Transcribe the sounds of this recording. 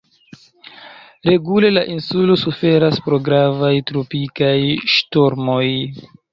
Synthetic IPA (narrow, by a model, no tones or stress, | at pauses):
ɾe̞ɡule̞laʔinsulo̞sufe̞ɾaspɾo̞ɡɾavajtɾopikajʃtoɾmo̞j